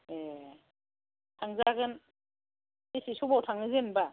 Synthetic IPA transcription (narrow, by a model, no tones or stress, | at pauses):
e | tʰaŋzaɡɯn | esisubawtʰaŋɯzɯnba